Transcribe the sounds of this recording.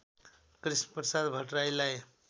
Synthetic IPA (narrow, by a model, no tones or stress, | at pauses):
kɾisnpəsad̪bʱəʈrajlaj